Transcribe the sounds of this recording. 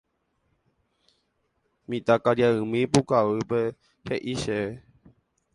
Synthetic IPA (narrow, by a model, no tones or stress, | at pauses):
mĩt̪akaɾjaɨmĩpukaʋɨpe | heʔiʃe